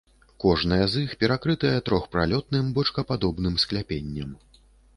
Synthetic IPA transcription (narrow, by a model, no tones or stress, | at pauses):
kɔʐnɐjɐzixpʲɛɾakɾɨt̪ɐjɐt̪ɾɔxpɾalʲɔt̪̚nɨmbɔt͡ʂkɐpad̪ɔbn̪ɨmsklʲapʲenʲːɐm